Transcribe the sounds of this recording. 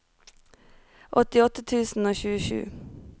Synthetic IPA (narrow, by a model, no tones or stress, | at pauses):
ʔɔt̪ɪɔt̪ət̪ʰʉːsn̩oːçʉːəʃʉ̰ː